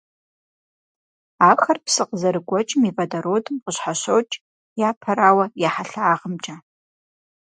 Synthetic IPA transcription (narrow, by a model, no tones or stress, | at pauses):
aːxɐrpsɨqəzɐɾɨɡʷʼɔt͡ʃʼɪmivɐdɐɾoːdɨmqəɕħaɕowt͡ʃʼ | jaːpʰɐɾaːwɐjaħaɬaaːʁəmt͡ʃʼa